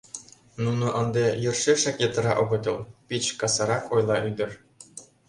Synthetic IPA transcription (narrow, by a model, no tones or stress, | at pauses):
nunɤ̆ʔɤ̆nd̪ejɤ̆rʂeʂɑkʲjet̪ɤ̆ɾɑʔŏɡɤ̆t̪ɤ̆lˠpʲit͡ɕkɑsɑɾɑkojlˠɑʔyd̪ɤ̆r